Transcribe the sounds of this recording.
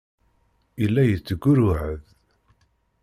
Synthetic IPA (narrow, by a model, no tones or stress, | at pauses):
ilːæjət͡sːəɡːʊɾʊʕəð